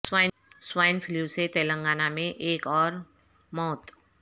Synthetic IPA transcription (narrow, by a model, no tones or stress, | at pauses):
swaː | swaːɪnfʰɪljuset̪eːlə̃ŋɡaːnamẽʔeːkɔːɾ | mɔːt̪